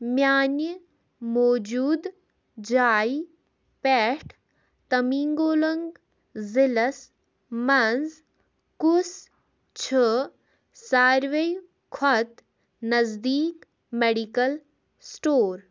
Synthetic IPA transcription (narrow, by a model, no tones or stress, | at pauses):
mjaːnjə | moːd͡ʒuːd̪ | d͡ʒaːi | pɛːʈʰ | t̪ɐmiŋɡoːlɐŋɡ | zilɐs | mɐnz | kus | t͡ʃʰə | saːɾʋej | kʰɔt̪ | nɐzd̪iːk | meɖikɐl | sʈoːɾ